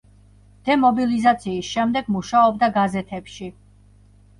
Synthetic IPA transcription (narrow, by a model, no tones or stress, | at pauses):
d̪̥ɛmɔbilizat̪sʰiːsʃɛmd̪ɛɡmuʃaɔbd̪aɡazɛt̪ʰɛpʃi